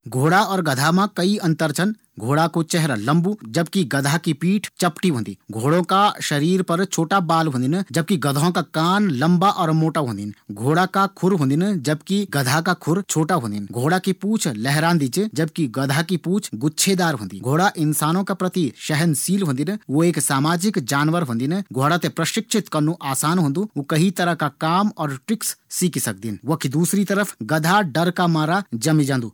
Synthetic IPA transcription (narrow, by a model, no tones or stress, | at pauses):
ɡʱoːɽaɔːɾɡɐd̪ʱamãkɐiɐ̃nt̪əɾt͡ʃʰən | ɡʱoːɽakot͡ʃɛɦɾalɐ̃mbud͡ʒɐbkiɡɐd̪ʱakipiːʈʰt͡ʃɐpʈiɦõːnd̪ḭːɡʱoːɽõkaʃɐɾiːɾpɐɾt͡ʃʰoːʈabaːlɦõːnd̪ɪnd͡ʒɐb̚kiɡɐd̪ʱõkakaːnlɐ̃mbaʔɔːɾmoːʈaɦõːnd̪inɡʱoːɽakakʰʊɾɦõːnd̪ind͡ʒɐbkiɡɐd̪ʱakakʰʊɾt͡ʃʰoːʈaɦõːnd̪inɡʱoːɽakipuːt͡ʃʰlɛɦɾãːnd̪it͡ʃd͡ʒɐb̚kiɡɐd̪ʱakipuːt͡ʃʰɡʊtːʃʰed̪aːɾɦõ̰ːnd̪ḭɡʱoːɽaʔɪnsaːnõkapɾɐt̪iʃɛɦənsiːlɦõːnd̪inʋoeːksaːmaːd͡ʒɪkd͡ʒaːnʋəɾɦõːnd̪inɡʱoːɽat̪epɾɐʃɪkʃʰɪt̪kɐɾnuʔaːsaːnɦõːnd̪uokɐɦit̪ɐɾəɦkakaːmɔːɾʈɾɪksːiːksɐk̚d̪inʋɐkʰid̪uːsɾit̪ɐɾəpʰɡɐd̪ʱaɖɐɾkamaːɾad͡ʒɐmid͡ʒãːnd̪uː